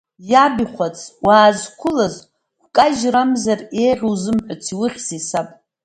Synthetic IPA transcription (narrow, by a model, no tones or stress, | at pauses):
jabiχʷat͡sʰwaːzkʷʰʊlaz | χʷkʼaʒramzarejʁʲuwzɨmħʷᶣʊt͡sʰiwɨχʲzisapʼ